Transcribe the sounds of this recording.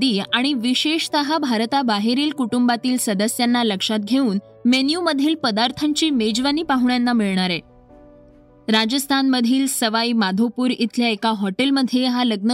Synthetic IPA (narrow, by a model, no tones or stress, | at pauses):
d̪iːaɽ̃iʋiɕeʂt̪əɦabʱaɾt̪abaɦeɾiːlkuʈumbat̪iːlsəd̪əsjanːaləkʂat̪̚ɡʱeuːn | menjuməd̪ʱjiːlpəd̪aɾt̪ʰaɲt͡ɕiːmed͡ʑʋaniːpaɦuɳjanːamiɭɳaɾe | ɾad͡ʑəst̪ʰanməd̪ʱiːlsəʋaimad̪ʱopuːɾit̪ʰljaekaɦɔʈelməd̪ʱjeɦaləɡ̚nə